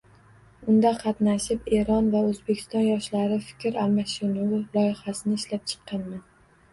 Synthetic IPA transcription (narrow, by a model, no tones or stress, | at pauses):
ʊnd̪aqʰɑt̪naʃɪpe̞ɾɒnvaɵzbekʲʰɪ̥st̪ɒnjɒʃlaɾɪfɪ̥kʲʰɾalmaʃɪnaʊlˠɒjɪhasɪnɪːʃlap̚t͡ʃʰɨ̥qʰːɑnman